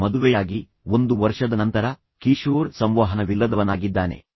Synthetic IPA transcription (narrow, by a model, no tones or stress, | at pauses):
mɐd̪uʋɛjaːɡi | ond̪uʋɐɾʂɐd̪ɐnɐnt̪ɐɾɐ | kiʃuːɾsɐmʋaːɦɐnɐʋilːɐd̪ɐʋɐnaːɡid̪ːaːne̞̰